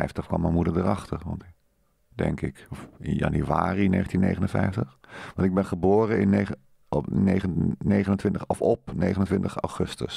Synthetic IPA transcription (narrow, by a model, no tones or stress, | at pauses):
ɛjftəχkʋɑ̰mɛmudəɹdərɑχtəɹʋɑ̰nt | dɛ̰ŋkɪkɔfɪ̰njɑ̰nyʋa̰ːrinḛːxən̩tinːḛjχənənfɛjftəχʋɑntɪɡ̚bɛnχəboːrəɪne | nejənejχənəntʋɪntəɔfɔpnejχənəntʋɪntəχa̰wχɵstə̰s